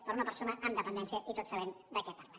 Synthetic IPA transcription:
poɾunapeɾsonaʔand̪əpend̪ensjaʔit̪ot̪saβend̪əkepaɾla

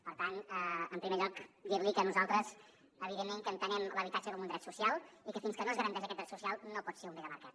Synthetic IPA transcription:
pəɾt̪anəəmpɾimeʎɔkd̪iɾlikənuzalˠt̪ɾəz | əβiðemːeŋkənt̪ənɛmləβit̪ad͡ʒəkɔmund̪ɾɛt̪susialˠikəfinskənoəzɣəɾənt̪ɛʒ̬əkɛt̪d̪ɾɛt̪susialˠnopɔt̪seɾumbeləməɾkat̪

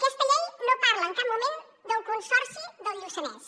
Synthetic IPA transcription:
kost̪əʎɛjnopaɾləːŋkad̪mumẽn | d̪əlˠkunsɔɾsid̪əlʎusənas

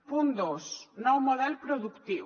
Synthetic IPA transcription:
pund̪osnɔwmoðɛlpɾoðukt̪iw

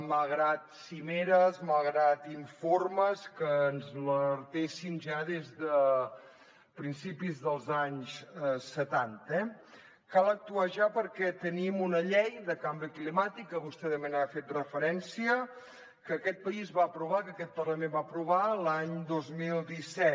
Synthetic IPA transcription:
malˠɣɾat̪simeɾəzmalˠɣɾat̪iɱforməskəːnzləɾt̪esinʒaðezðə | pɾinsipizðəlˠzaɲzsət̪ant̪ɛ | kalˠək̚t̪uaʒapəɾkɛt̪ənimunəʎɛjðəkambɾiklimat̪ikːəβust̪ɛðəmenafet̪rəfəɾɛnsiə | kəkɛt̪̚pəizβaəpɾuβ̞akəkɛt̪̚pərləmẽmbapɾuβalaɲd̪ozmilˠd̪isɛt̪

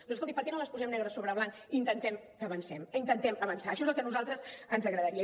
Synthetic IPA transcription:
d̪onskolˠt̪ipəɾkɛnoləspuzɛmnɛɣɾəsoβɾəβlaŋ | int̪ənt̪ɛmkəːβənsɛmint̪ənt̪ɛməβənsaːʃɔezelˠkənuzalˠt̪ɾəzənzəɣɾəðəɾiə

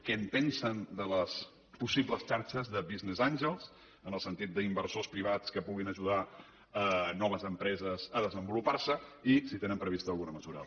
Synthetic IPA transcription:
kɛnt̪ɛnsənd̪ələs | pusibləst͡ʃaɾt͡ʃəzðəβiznezanʲʒəlˠz | ənəlˠsənt̪it̪̚d̪əimbəɾrsospɾiβ̞at͡skəpuɣinəʒuð̞a | ənɔβ̞əzəmpɾɛzəzəðəzəmbuluparsəisit̪enə̃mpɾəβist̪əːlɣunəməzuɾə̰

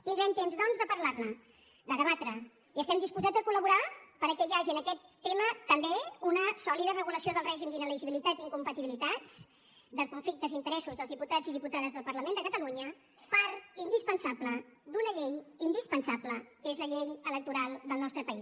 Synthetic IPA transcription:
t̪ind̪ɾɛmt̪emzðɔnzðəpəɾlarnə | d̪əðəβat̪ɾə | iəst̪ɛmd̪ispuzad͡zəkuləβuɾapəɾkɛjaʒiənəkɛt̪ːemət̪əmbeunəsɔliðərəɣuləsioðəlˠrɛʒimd̪inəliʒiβilit̪at̪iŋkumpət̪iβilit̪at͡s | d̪əkuɱflik̚t̪əzint̪əɾɛsuzðəlˠzðiput̪ad͡ziðiput̪aðəzðəlˠpəɾləmend̪əkət̪əluɲə | paɾind̪ispənsabləd̪unəʎejind̪ispənsapləkezləʎeʎələk̚t̪uɾalˠd̪əlˠnɔst̪ɾəpəis

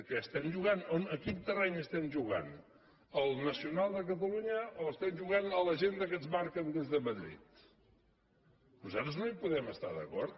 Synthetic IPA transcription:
kɛəst̪ɛmʒuɣanonəkint̪ərɛɲəst̪ɛmʒuɣa̰n | əlˠnəsiunalˠd̪ək̬ət̪̬əluɲəoəst̪ɛmʒuɣ̞anələʒend̪əkəzβaɾkənd̪ezðəməðɾḭt̪̚ | nuzat̪ɾəznoipuðɛməst̪a̰ðə̰kɔɾt̪̚

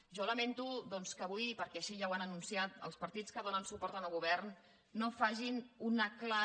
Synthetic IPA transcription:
ʒɔləment̪uðɔnskəːβujpəɾkɛəʃiʒawanənunsiat̪ə̰lˠspəɾt̪it͡skəðonənsupɔɾt̪ənəlˠɣuβɛrnː | ofaʒinunəkla

